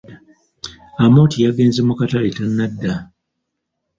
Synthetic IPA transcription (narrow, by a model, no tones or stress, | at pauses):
amo̞ːtijaɡe̞ːnzemukataletanːadːa